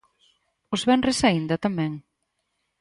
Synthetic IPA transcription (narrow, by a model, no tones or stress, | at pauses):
ʊzβɛnresaind̪ɐt̪amɛ̃ŋ